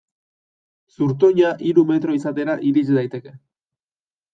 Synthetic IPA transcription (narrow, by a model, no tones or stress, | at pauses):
suɾt̪oɲaʔiɾume̞t̪ɾo̞isat̪e̞ɾaʔiɾit͡ʃid̪ajt̪e̞ke̞